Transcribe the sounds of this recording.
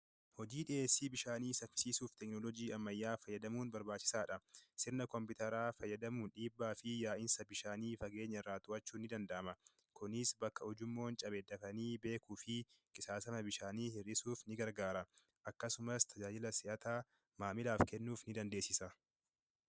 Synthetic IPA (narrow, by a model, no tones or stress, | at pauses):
hɔd͡ʒiːᶑɪʔeːsːiːbɪʃaːniːsɐɾfɪ̥siːsuːft̪ɛknɔlɔd͡ʒiːɐmːɐjːaːfɐjːɐd̪ɐmuːnbɐɾbaːt͡ʃːɪ̥saːᶑɐsɪɾnɐkɔmpɪt̪ɐɾaːfɐjːɐd̪ɐmuːnᶑiːbːaːfɪjaːʔɪnsɐbɪʃaːniːfɐɡe̞ːɲːɐɪrːaːt̪ʊʔɐt͡ʃːuːnːɪd̪ɐnd̪ɐʔːmɐ | kʰʊnɪsbɐkːɐɔd͡ʒʊmːo̞ːnt͡ʃʼɐbeːd̪ɐfɐniːbe̞ːkuːfɪkʼɪsaːsɐmɐbɪʃaːniːhɪrɪsuːfnɪɡɐɾɡaːɾɐ | ʔɐkːɐsʊmɐst̪ʰɐd͡ʒaːd͡ʒɪlɐsɪʔɐt̪aː | maːmɪlaːfkɛnːuːfnɪd̪ɐnd̪eːsɪsɐ